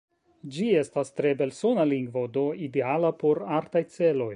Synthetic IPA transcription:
d͡ʒie̞stastɾe̞be̞lso̞naliŋɡvo̞do̞ide̞alapo̞ɾaɾtajt͡se̞lo̞j

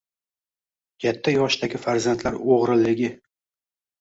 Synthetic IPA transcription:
kʲʰat̪ʰːajɒʃd̪aɡʲɪfaɾzant̪ʰlaɾoʁɾɪlːɪɡʲɪ

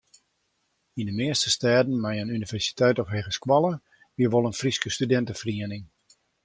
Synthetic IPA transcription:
indəmɪəstəstɛːdən̩mɛjənynivɛrsi̥tʰɛjtɔfɦeːɣəskwɑlˠə | ʋiəʋolˠənfriskəstydɛntəfriənɪŋ

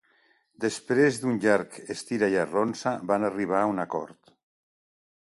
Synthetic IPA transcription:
d̪espɾezd̪unʎaɾkest̪iɾajaronsabanariβ̞aunakɔ̰ɾt̪

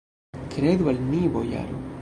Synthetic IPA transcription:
kɾed̪ualmivoja̰ɾo̰

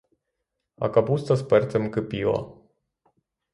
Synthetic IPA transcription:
a̰kapust̪aspərt̪səmkɨpiwa̰

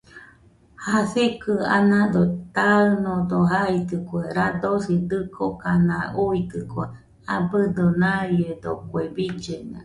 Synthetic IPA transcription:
hasekɨa̰nãd̪ot̪aɯnod̪oɦait̪ɨkweɾad̪osid̪ɨkʰokanãuit̪ɨkwe | abɨd̪onajed̪okwebid͡ʒena̰

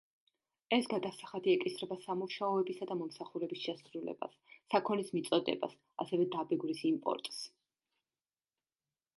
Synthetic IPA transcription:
ɛsɡad̪asaχad̪iɛkʼisɾɛbasamuʃaɔɛbisad̪amɔmsaχuɾɛbisʃɛsɾulɛ̰ba̰sː | akʰɔnismit̪sʼɔd̪ɛ̰ba̰s | asɛvɛd̪abɛɡɾisimpʼɔ̰ɾt̪ʼs

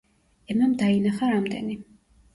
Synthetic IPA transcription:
ɛmamd̪ainaχaɾamd̪ɛ̰ni

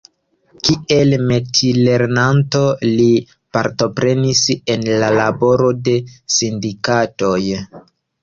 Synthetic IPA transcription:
kiʔe̞lme̞tile̞ɾnanto̞li | paɾto̞pɾe̞nise̞nlalabo̞ɾo̞de̞sindikato̞j

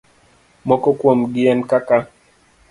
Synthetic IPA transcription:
mɔkɔkwomɡɪɛnkaka

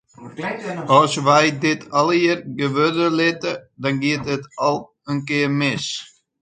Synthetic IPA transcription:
ɔsʋɛjdɪtʰɔlˠiərɡəʋødəlɪtədɔnɡiətətɔlˠ | ənkɪərmɪs

